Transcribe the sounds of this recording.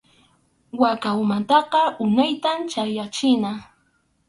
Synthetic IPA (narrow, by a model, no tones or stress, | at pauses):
wakawmant̪ɑqɑʊnajt̪amt͡ʃajat͡ʃɪna